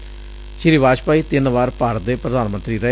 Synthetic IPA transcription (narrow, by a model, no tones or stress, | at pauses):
ʃɪɾiʋaːd͡ʒpaːiːt̪ɪnʋaːɾpaːɾd̪eːpɾəd̪aːnmə̃nt̪ɾiːɾɛ